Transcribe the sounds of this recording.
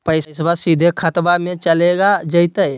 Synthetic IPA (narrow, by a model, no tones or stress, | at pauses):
pəɪssbasid̪ʱekʰət̪bamẽt͡ʃəleɡad͡ʒəjt̪əj